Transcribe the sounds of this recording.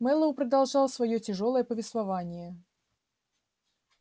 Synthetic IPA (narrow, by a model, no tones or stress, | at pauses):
mɛlˠəʊpɾəd̪ɐlˠʐɑlˠsvɐjotʲɪʐo̞lˠəjəpəvʲɪst̪vɐvanʲɪjə